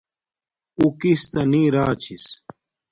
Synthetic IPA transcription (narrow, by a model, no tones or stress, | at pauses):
ukist̪ɐnĩːɾaːt͡ɕʰis